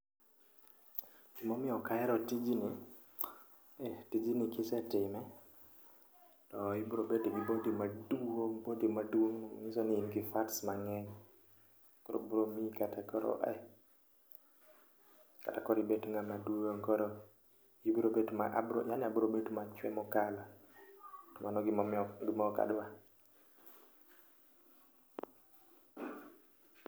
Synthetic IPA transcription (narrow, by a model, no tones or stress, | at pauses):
dimomɪɔkaɛɾɔtid͡ʒini | ɛtid͡ʒinɪkɪsɛtɪmɛ | tɔibɾobetibibodimadoŋbodimadwoŋnɔŋisɔnɪɪmɡɪfatsmaŋɛɲ | kɔɾo̰bɾomikatakɔɾɔ̰ʔɛ̰ | ka̰takɔɾibetŋɡamaduoŋkɔɾɔ | jibɾobetmaʔbɾo̰ɲaniabʊɾobetmat͡ʃwɛ̰mɔkala | tɔmanɔɡɪmɔmɡimɔka̰dwa